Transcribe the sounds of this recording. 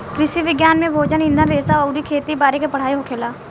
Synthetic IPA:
kɾɪʃiʋɪɡjaːnmẽbʱoːd͡ʒənɪ̃nd̪ʱənɾeːsaɔʊɾikʰeːt̪ibaːɾekepɐɽ̤aːiɦokʰeːlaː

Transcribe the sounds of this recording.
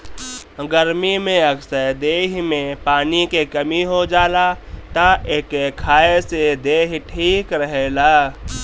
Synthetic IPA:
ɡəɾmimẽəksəɾd̪eːɦmẽpaːnikekɐmiɦod͡ʒaːlat̪aʔeːkekʰaːesed̪eːɦʈʰiːkɾəɦeːlaː

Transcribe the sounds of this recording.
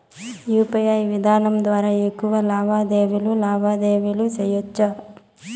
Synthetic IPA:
juːpɐjaːjʋid̪ʱaːnɐmd̪ʋaːɾaekːuʋɐlaːbʱaːd̪eːʋilulaːbʱaːd̪eːʋilusɐjot͡ʃːɐ

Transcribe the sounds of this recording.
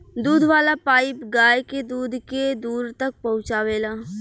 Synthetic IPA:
d̪uːd̪ʱʋaːlapaːɪpɡaːjked̪uːd̪ʱked̪uːɾt̪ɐk̚pɐɦʊ̃t͡ʃaːʋeːlaː

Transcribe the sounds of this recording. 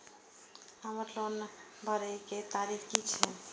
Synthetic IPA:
aməɾlonbʱaɾejket̪aɾikʰkit͡ʃʰɛ

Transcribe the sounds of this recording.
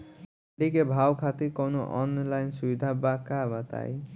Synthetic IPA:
ɖikebʱawkʰat̪ikɔnoʔɔnlajnsubid̪ʱabakabat̪a̰j

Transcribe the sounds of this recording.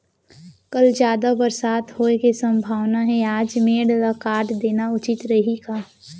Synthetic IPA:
kɐld͡ʒjaːd̪abɐɾsaːt̪hoːekesɐ̃mbʱaːʋnaɦɛaːd͡ʒmeːɽlakaːɾʈd̪eːnaʊt͡ʃɪt̪ɾɐɦikaː

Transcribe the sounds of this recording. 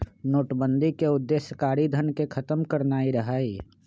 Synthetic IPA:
noːʈbə̃nd̪ʱikeʊd̪ːeːsjəkaːɾid̪ʱənkekʰɐt̪əmkəɾnaːiɾɐɦaːiː

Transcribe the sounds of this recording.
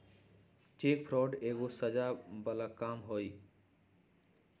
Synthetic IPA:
ʈek̚pʰɾoɖeɡosəd͡ʒabəlakamɦoj

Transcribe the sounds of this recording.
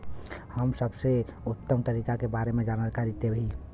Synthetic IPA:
həmsəbseut̪ːəmt̪əɾiːkakebaɾemẽd͡ʒanəlkaɾit̪ebɦi

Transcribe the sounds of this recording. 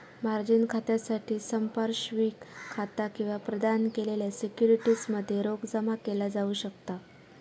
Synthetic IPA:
maɾd͡ʑinkʰat̪jasaʈʰiːsəmpaɾɕʋiːkʰːat̪akĩw̃ʋapɾəd̪ankeleljasekjuɾiʈiːsməd̪ʱːjeɾoɡd͡zəmakelad͡zauːɕəkt̪a

